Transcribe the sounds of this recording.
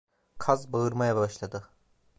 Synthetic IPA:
kʰazbaɯɾmajabaʃlˠad̪ɯ

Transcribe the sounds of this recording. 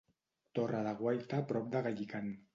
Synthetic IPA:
t̪oraðaɣwajt̪apɾɔp̚d̪aɣaʎikan

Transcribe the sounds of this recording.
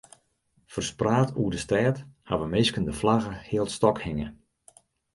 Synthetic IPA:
fərspraːtʰuədəstɛːtha̰ʋəmɪskəndəflaɣəhɪəlˠtstɔkhɪŋə

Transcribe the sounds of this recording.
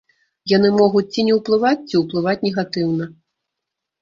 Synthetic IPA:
janɨmɔɣut͡sʲt͡sʲinʲɛwplˠɨvat͡sʲt͡sʲiwplˠɨvat͡sʲnʲɛɣat̪ɨwnɐ

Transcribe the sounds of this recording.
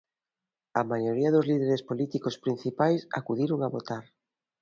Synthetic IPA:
ɐmajoɾiɐðʊzliðeɾespolit̪ikospɾin̟θipajsa̰kuðiɾoŋaβot̪aɾ

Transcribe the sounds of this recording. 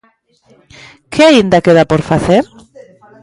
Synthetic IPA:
kʰeaind̪akeðapoɾfaθeɾ

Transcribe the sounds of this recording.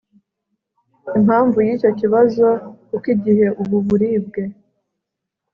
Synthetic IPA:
imhaːɱvujiːco̞ciβazo̞kukiɟiɦe̞ʔuβuβuɾiːb̚ɡe̞

